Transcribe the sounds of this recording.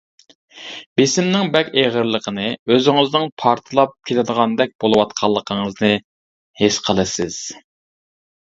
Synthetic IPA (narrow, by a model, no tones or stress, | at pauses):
b̥esɪmnɪŋbɛkʲeʁəɾlˠəqʰənɨøzɪŋɪznɨŋpʰɑɾt̪ʰɨlˠɑp̚kʲʰelɪd̪əʁɑnd̪ɛk̚ʲbolˠɨwɑt̪̚qʰɑlˠːəqʰəŋəznɨ | hesqʰəlˠɨsɪz̥